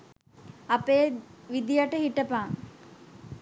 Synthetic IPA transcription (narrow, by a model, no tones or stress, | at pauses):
apeːʋid̪ijaʈəhiʈəpaːŋ